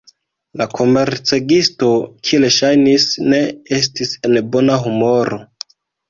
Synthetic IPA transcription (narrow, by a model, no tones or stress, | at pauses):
lakʰo̞me̞ɾt͡seɡisto̞kʰieleʃajnisne̞e̞s̬tise̞nbo̞naɦumo̞ɾo